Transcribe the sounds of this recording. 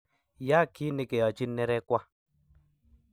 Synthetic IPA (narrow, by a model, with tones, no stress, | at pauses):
ja˦ki˦ne˨ke˨jɔ˨t͡ʃi˦nːɛ˦ɾɛ˦kwa˦